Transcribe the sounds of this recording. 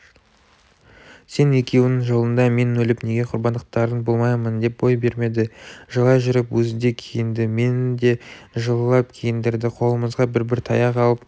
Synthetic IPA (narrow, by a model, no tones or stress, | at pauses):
se̞ne̞kʲe̞wɪnɪŋʒo̞lˠənd̪ɑme̞nɵlɪpne̞ɡʲe̞qʰʊɾbɑnd̪əqt̪ɑɾənbolˠmɑjmənd̪e̞p̚bo̞jbe̞ɾme̞d̪ɪʒəlˠɑʒʏɾɪpwɵzɪd̪e̞kʲʰejɪnd̪ɪme̞nd̪e̞ | ʒəlˠlːˠɑp̚kʲʰejɪnd̪ɪɾd̪ɪqʰo̞lˠəməzʁɑbɪɾbɪɾt̪ʰɑjɑqɑlˠəp̚